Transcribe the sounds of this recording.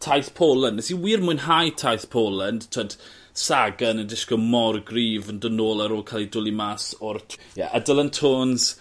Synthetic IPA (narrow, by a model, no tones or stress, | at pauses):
tʰajθpʰoːlˠənɛsiwiːrmʊɨnɦajtʰajθpʰoːlˠəndtʰɔd̥ | saɡənəndɪskɔmɔrɡriːvəndənoːlˠaɾoːlˠkʰalˠidʊlˠimaːsɔrtʰjɛ̰ʔədəlˠəntʰoːns